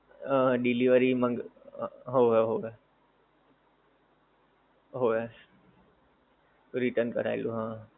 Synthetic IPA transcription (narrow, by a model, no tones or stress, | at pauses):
ɖiliʋəɾimə̃ŋɡ | ɦoɦeɦoe | ɦoːe | t̪oɾiʈənkə̰ɾa̰iluɦã